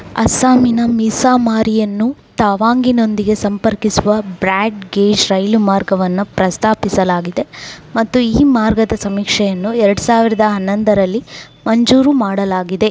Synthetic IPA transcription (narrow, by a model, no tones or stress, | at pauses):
ɐ̰saːminɐmisaːmaːɾijɐnːut̪aːʋaːŋɡino̞nd̪iɡe̞sɐmpɐɾkisuʋɐbɾaːʈɡeːd͡ʒɾɐjlumaːɾɡɐʋɐnːupɾɐst̪aːpisɐlaːɡid̪e̞mɐt̪ːuiːmaːɾɡɐd̪ɐsɐmiːkʂɛjɐnːuɛɾɐɽusaːʋiɾɐd̪ɐɦɐnːɐnd̪ɐɾɐlːi | mɐɲd͡ʒuːɾumaːɽɐlaːɡid̪e̞